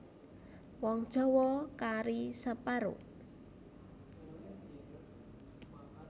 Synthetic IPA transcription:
wɔŋd̥ʒ̥ɔ̤wɔkaɾisəpaɾʊ̰ʔ

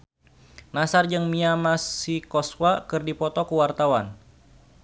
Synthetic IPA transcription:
nasard͡ʒɨŋmiamasikɔswakɨrdipɔt̪ɔkuwart̪awan

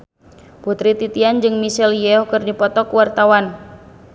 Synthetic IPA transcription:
put̪ɾit̪it̪iand͡ʒɨŋmisɛljɛɔkɨrdipɔt̪ɔkuwart̪awan

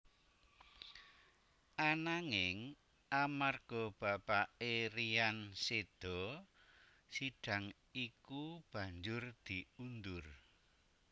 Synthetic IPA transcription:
ʔanaŋɪŋ | amarɡ̥ɔb̥a̤paʔeɾiansed̪̥ɔ | siɖ̥a̤ŋ | ikub̥ä̤ɲd͡ʒʊrd̪̥i̤und̪ʊr

